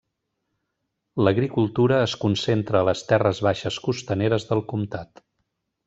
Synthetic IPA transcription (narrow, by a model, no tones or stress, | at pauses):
ləɣɾikulˠt̪uɾəːskunsent̪ɾəːləst̪ɛrəzβaʃəskust̪əneɾəzðəlˠkumt̪at̪